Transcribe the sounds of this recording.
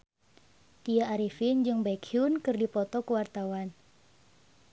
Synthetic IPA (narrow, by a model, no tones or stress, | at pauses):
t̪ijaːɾifind͡ʒɨŋbakʰiunkɨrdipɔt̪ɔkəwart̪awan